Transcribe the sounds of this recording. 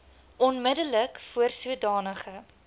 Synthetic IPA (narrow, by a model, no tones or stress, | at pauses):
ʔɔnmədələkfuərsuədɑːnəχə